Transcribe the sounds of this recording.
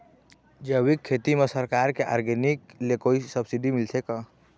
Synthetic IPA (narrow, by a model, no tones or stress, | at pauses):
d͡ʒəwikʰːet̪imesəɾkaːɾkeʔaːɾɡeniklekoisəbsiɖimɪlsʰeka